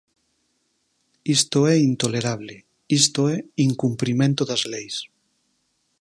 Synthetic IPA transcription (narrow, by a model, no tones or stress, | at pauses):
ist̪oɛint̪oleɾaβle | ist̪oɛiŋkumpɾimẽnt̪oðazlejs